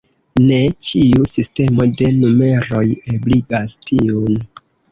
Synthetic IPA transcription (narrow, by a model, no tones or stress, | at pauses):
ne̞t͡ʃiusiste̞mo̞de̞nume̞ɾo̞jebliɡastʰiun